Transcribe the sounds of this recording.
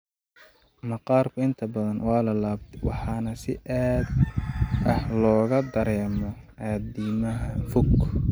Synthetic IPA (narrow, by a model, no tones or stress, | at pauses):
mɐqɑːrkʰʊɪnt̪ʰɐbɐðɐnwɑːlɐlaːbt̪ʰɛwɑ̰ħɑːnɐsɪ̰ʔaːd̪ʔɐħlɔːɣɐd̪ɐɾɛːmɔ | aːd̪iːmɐɦɐfʊɡ